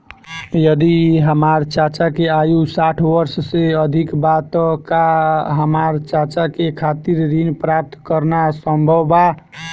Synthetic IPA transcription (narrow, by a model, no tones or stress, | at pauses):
jəd̪iɦəmaɾt͡ʃat͡ʃakeajusaʈʰʋəɾsseəd̪ʱikbat̪kaɦəmaɾt͡ʃat͡ʃakekʰat̪iɾːinpɾap̚t̪kəɾnasəmbʱəwba